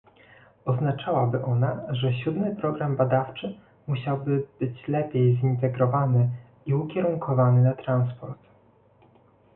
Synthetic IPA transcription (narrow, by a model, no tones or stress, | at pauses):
ɔznat͡ʂawabɘʔɔnaʐɛɕud̪mɘpɾɔɡɾambad̪aft͡ʂɘ | muɕawbɘb̥ɘt͡ɕlɛpʲjejzint̪ɛɡɾɔvanɘ | iukʲɛɾuŋkʰɔvanɘnat̪ɾanspɔɾt̪